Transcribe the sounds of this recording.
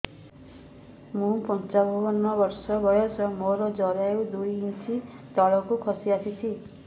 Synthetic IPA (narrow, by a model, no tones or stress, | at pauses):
mũpɔnt͡ʃabʱuɦɔnːɔbɔɾsɔbɔjɔsɔmoɾɔd͡ʒɔɾaud̪ujinsit̪ɔɭɔkukʰɔsiasʰit͡ʃʰi